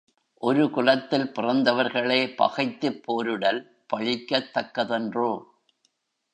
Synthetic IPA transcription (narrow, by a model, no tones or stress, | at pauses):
ʔɔɾɯkʊlɐt̪ːɪlpɪrɐnd̪ɐʋɐɾɣɐɭɐːpɐ̰ɣɐɪt̪ːɯpʰːoːɾɯɽɐl | pɐɻɪkːɐt̪ːɐkːɐðɛndroː